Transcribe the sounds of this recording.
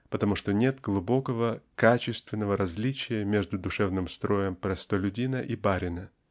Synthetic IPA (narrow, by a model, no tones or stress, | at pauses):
pət̪ɐmuʂt̪onʲe̞t̪ɡlˠʊbo̞kəvəkat͡ɕɪst̪vʲɪnːəvəɾɐzʲlʲit͡ɕɪjəmʲeʐd̪ʊd̪ʊʂɛvnɨmst̪ɾo̞jəmpɾɐst̪əlʲʊdʲinəʔibaɾʲɪnə